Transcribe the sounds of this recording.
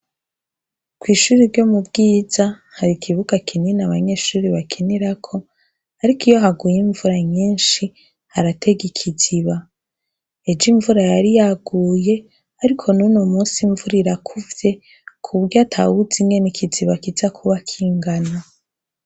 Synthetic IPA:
kwiːʃuɾiɾɟo̞mubɡiːza | haɾikʰiβuɡakʰininaβaɲe̞ːʃuːɾiβakʰiniɾakʰo̞ | aɾikijo̞ɦaɡujiɱvuɾaɲiːnʃi | haɾatʰe̞ɡikʰiziβa | ed͡ʒiɱvuɾajaɾijaɡuːje̞ | aɾikʰo̞nunomuːsiɱvuɾiɾakʰuvje̞ | kʰuβɡatʰa̰wuziŋɡe̞nikʰiziβakizakʰuβakʰiːŋɡana

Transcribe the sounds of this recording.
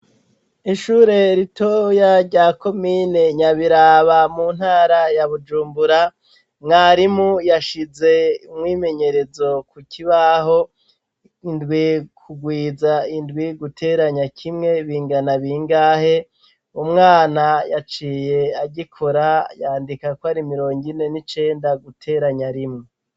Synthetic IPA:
iʃuːɾe̞ɾitojaɾɟaːko̞miːne̞ɲaβiɾaːβamuːn̥haːɾajaβud͡ʒuːmbuɾa | ŋaɾimujaʃize̞umŋwiːme̞ɲe̞ɾe̞zo̞kuciβaɦo̞ | indɡwikʰuɡwiːzaindɡwiɡutʰe̞ːɾaɲakʰimŋe̞βiːŋɡanaβiŋɡaːhe̞ | umŋaːnajat͡ʃiːje̞aɟikʰoɾajaːndikakoaɾimiɾo̞ːŋɡine̞nit͡ʃe̞ːndaɡutʰe̞ːɾaɲaɾimŋe

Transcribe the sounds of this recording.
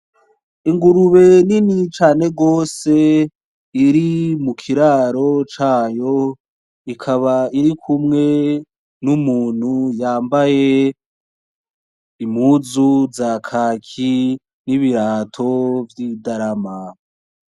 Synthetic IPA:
iŋɡuɾuβe̞ninit͡ʃaːne̞ɡo̞ːse̞ | iɾimukʰiɾaɾo̞t͡ʃaːjo̞ | ikʰaβaiɾikʰumŋe̞ | numuːn̥hujaːmbaje̞ | imhuzuzakʰaːkʰi | niβiɾaːtʰo̞vjidaɾama

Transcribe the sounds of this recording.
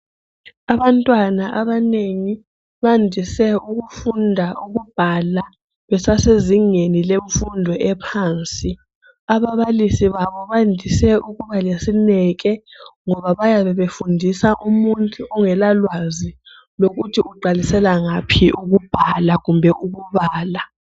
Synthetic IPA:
aβantʼwanaʔaβaneŋi | βandʱisɛuɣufundʱaʔuɣub̥ʱala | βɛsaseziŋenileɱfundʱɔʔɛpʰaːnt͡sʼi | aβaβalisiβaβɔβandʱisɛʔuɣuβalesinɛɣ̬ɛŋɔβaβajaβɛβefundʱisaʔumuntʼuʔɔŋɛlalwazi | loɣutʰiuǃalisɛlaŋapʰiuɣub̥ʱalaɣumbʱɛʔuɣuβaːla

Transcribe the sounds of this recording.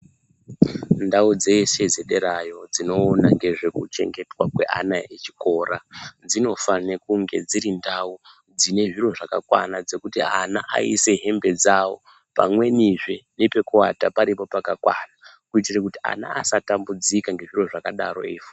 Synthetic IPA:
ndaud͡ze̞se̞zeɗeɾajo̞d͡zino̞ːnaŋɡe̞ʐe̞kut͡ʃe̞̰ŋɡe̞twakwe̞̰ʔa̰naet͡ʃi̥ko̞rad͡zino̞fanekuŋɡe̞d͡ziɾindau | d͡zine̞ʐiro̞ʐaka̰kwa̰nad͡ze̞kutianaʔa̰ḭse̞ɦe̞mbe̞d͡zawo̞̰ | pa̰mwe̞niʐenepe̞kuatapaɾipo̞pakakwana | kuitirakutia̰na̰ːsatambud͡zikaŋɡe̞ʐiroʐakaɗaɾo̞̰efu

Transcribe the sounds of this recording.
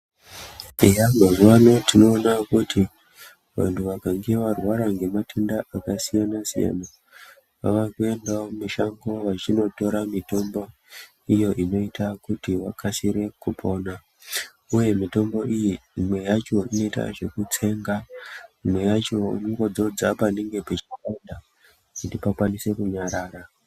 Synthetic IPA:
ejamazuwano̞tino̞ːnakuti | ʋa̰ntʰuʋakaŋɡeʋarwaɾaŋɡe̞matʰendaʔakasijanasija̰na | pa̰ʋakue̞ndaomiʃaŋɡo̞ʋat͡ʃino̞to̞ɾamito̞mbo̞ | ijo̞ʔino̞itʰakutiwakʰasiɾe̞kupʰo̞na | uje̞mito̞mbo̞ijimwe̞jat͡ʃo̞ino̞ita̰ʐe̞kut͡se̞ŋɡaimwe̞jat͡ʃo̞̰nŋɡo̞d͡zo̞d͡zapane̞ŋɡe̞pet͡ʃikanda | kutipakwanise̞kuɲaɾaːɾa

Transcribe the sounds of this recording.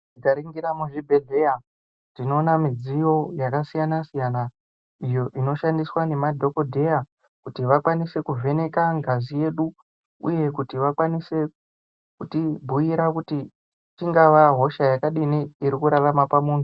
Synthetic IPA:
ikaɾiŋɡiɾamuʐibʱe̞ɮe̞ja | dino̞ːnamid͡zijo̞jakasijanasijana | ijo̞ʔino̞ʃandiswane̞madʱo̞ko̞dʱe̞ja | kutiʋakwanise̞kuvʱe̞ne̞kaŋɡazije̞ːɗu | ṵje̞kutiʋakwanise̞ | kutibʱujiɾakuti | t͡ʃiŋɡaʋaɦo̞ʃajakaɗiniiɾikuɾaʋamapamuːn̤u

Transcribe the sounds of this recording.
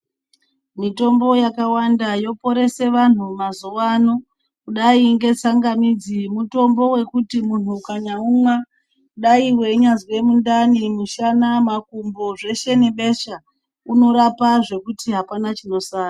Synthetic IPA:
mito̞mbo̞jakawandajo̞po̞ɾe̞se̞ʋan̤umazuʋano̞ | kuɗaiŋɡe̞t͡saŋɡamid͡zimuto̞mbo̞we̞kutimun̤ukaɲaumwa | kuɗaiwe̞ɲazwe̞mundanimuʃanamakumbo̞ʐe̞ʃe̞neɓe̞ʃa | uno̞ɾapaʐe̞kutiɦapanat͡ʃino̞saːna

